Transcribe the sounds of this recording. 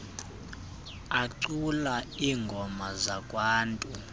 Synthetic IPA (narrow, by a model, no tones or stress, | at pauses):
aǀulaiːŋɡʱɔmazakʼwaːntʼu